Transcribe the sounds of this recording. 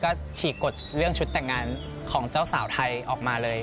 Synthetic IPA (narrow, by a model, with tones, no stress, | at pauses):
kɔː˥˩t͡ɕʰiː˨˩ko˨˩t̪̚ɾɯ˥˩əŋt͡ɕʰu˦˥t̪ːɛ˨˩ŋːaː˧n | kʰɔː˩˦ŋt͡ɕaː˥˩wsaː˩˦wt̪ʰa˧jʔɔː˨˩k̚maː˧lɤː˧j